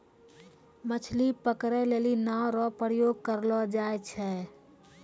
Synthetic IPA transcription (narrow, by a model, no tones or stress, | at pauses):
mət͡ʃʰlipəkɾɛlelinawɾɔpəɾjoɡ̚kəɾlɔd͡ʒajt͡ʃʰɛ